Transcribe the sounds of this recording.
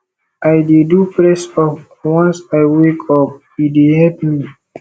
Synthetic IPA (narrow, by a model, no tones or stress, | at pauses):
ʔajdedupɹɛsɔf | wãnsajwekʰɔp̚ | idehɛpmi